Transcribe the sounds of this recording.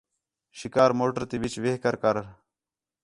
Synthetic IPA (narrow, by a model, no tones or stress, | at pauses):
ʃɪkaːɾmoːʈəɾt̪iːʋɪt͡ʃʋeɦkəɾkəɾ